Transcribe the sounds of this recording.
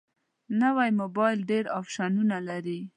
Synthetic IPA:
nawajmobɑjlɖeɾɑfʃɑnunalaɾi

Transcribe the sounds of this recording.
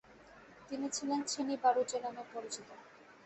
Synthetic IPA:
t̪init͡ɕʰilent͡ɕʰenibaɾud͡ʑenamepoɾit͡ɕit̪o

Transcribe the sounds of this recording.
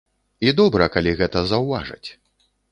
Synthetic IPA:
id̪ɔbɾɐkalʲiɣɛt̪ɐzɐwvaʐɐ̰t͡sʲ

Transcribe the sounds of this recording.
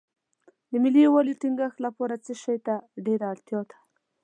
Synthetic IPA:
d̪əmɪliwalit̪iŋɡəxt̪lapɔɾat͡səʃajt̪aɖeɾaːɽt̪jɔd̪ḁ

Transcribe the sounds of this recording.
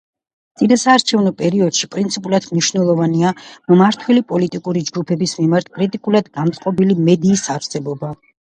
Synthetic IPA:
t̪sʼid̪asaːɾt͡ʃʰɛvnɔpʼɛɾiɔd̪̥ʃipʼɾint̪sʰipʼulˠat̪ʰmniʃvnɛlˠɔvaniammaɾt̪ʰwɛlipʼɔlit̪ʼikʼuɾid͡ʒɡupʰɛbismimaɾt̪̚ʰkʼɾit̪ʼikʼulˠad̪ɡant̪sʼqʼɔbilimɛd̪iːsaɾsɛbɔba

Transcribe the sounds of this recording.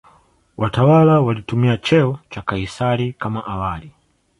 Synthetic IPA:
wʔatawalawalitumiat͡ʃɛɔt͡ʃakaisaɾikamaʔawali

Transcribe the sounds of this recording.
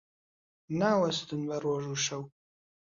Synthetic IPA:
naːwɐsɨd̪ɨnbɐrwɔʒuʂɐw

